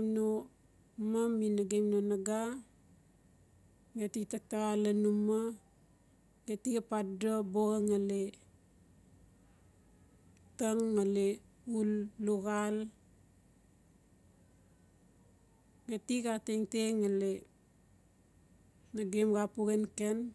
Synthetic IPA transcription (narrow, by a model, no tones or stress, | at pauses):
mno | maminaɡemnonaɡa | ɡetiktak̚taɣalanuma | ɡetikapadoboɣaŋale | taŋːale | ulːuɣal | ɡetikateŋteŋale | naɡemɡapuɡenken